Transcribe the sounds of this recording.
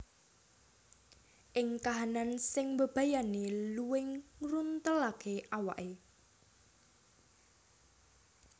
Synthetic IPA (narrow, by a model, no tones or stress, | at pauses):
ʔɪŋkaɦanansɪŋmbəb̥ä̤janeluwɪŋrunt̪əlakʰeʔawaʔe